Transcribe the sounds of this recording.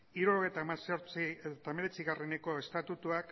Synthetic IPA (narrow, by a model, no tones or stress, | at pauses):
iɾuoɣejt̪amasoɾt͡siet̪ame̞ɾe̞t͡siɣare̞ne̞ko̞e̞st̪at̪ut̪uak